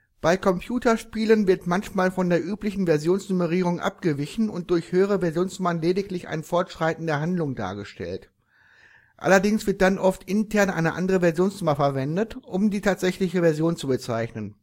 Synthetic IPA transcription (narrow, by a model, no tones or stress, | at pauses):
b̥aɪkʰɔmpʰjuːtɐʃpiːlənvɪɐtmançmaːlfɔndeːɐʔyːplɪçn̩vɛɐzjoːnsnuməʁ̞iːʁ̞ʊŋʔa̰p̚ɡ̥əvɪçn̩ʊnt̚d̥ʊɐçhøːəʁ̞əvɛɐzjoːnsnʊmɐnleːdɪklɪça̰ɪnfɔɐtʃʁ̥aɪtn̩dɐɦandlʊŋda̰ːɐɡəʃtɛ̰lt | ʔa̰lɐdɪŋsv̥ɪɐt̚d̥anʔɔftʔɪntʰɛɐnʔa̰ɪnəʔa̰ndəʁəvɛɐzjoːnsnʊmafɛɐvɛndətʔʊmdiːtʰaːtz̥ɛçlɪçəvɛɐzjoːnt͡subət͡saɪçnən